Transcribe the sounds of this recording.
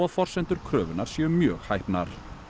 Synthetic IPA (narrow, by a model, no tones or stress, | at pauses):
aðfɔr̥sɛnt̪ʏɾ̥kʰɾœːvʏnaɾ̥siːʏmːjœːɣhajhpna̰ɾ̥